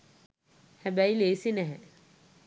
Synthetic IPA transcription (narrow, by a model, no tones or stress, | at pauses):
hæbæileːsinɛɦɛ